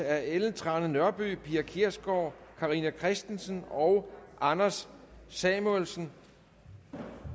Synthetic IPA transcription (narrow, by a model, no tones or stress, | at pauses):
æɐeln̩t͡sʰʁɑ̈nənɶɐb̥y̰ːpʰḭːækʰiɐsɡ̥ɒʊ̰kʰɑ̈ʁinækʰʁɛsd̥ensənɒ̽ʊʔɑ̈næsːɛmolsn̩